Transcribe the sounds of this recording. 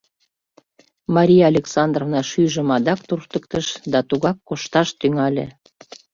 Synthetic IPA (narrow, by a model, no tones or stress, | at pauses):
mɑɾʲijɑːlʲeksɑnd̪rovnɑʃyʒəmɑd̪ɑkt̪urt̪ək̚t̪əʃd̪ɑt̪uɣɑkːoʃt̪ɑʃt̪yŋɑlʲḛ